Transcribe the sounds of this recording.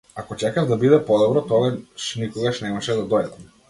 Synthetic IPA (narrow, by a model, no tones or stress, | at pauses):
akɔt͡ʃɛkavd̪abid̪ɛpɔd̪ɔbɾɔt̪ɔɡaʃnikɔɡaʃnɛmaʃɛd̪ad̪ɔjd̪am